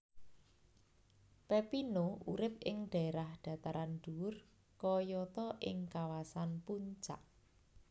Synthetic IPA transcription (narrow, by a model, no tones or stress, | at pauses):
pepinoʔuɾɪp̚ɪŋɖ̪̥ä̤eɾahɖ̥ä̤t̪aɾanɖ̪̥uʊr | kɔjɔt̪ɔʔɪ̰ŋkawasanpuɲt͡ʃa̰ʔ